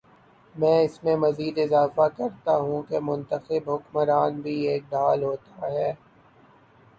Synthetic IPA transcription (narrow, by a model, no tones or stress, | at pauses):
mɛ̃ːɪsmẽmɐziːd̪ɪzaːfakɐɾt̪aɦũkemʊ̃nt̪əxɪbɦʊkməɾaːnbʱieːk̚ɖaːlɦoːt̪aɦɛː